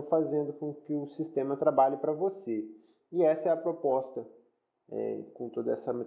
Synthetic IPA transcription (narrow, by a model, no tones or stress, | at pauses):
fazẽnd̪ʊkõkɪʊsist̪ẽmɐt̪ɾabaʎɪpɾɐvose | ɪɛsɐɛɐpɾopɔst̪ɐ | ɛ̰kõt̪od̪ɐɛsɐme